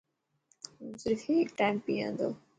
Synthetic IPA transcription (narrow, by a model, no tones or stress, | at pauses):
mʊzɾɪkiʈaːɪmpiã̰ːnd̪o̰ː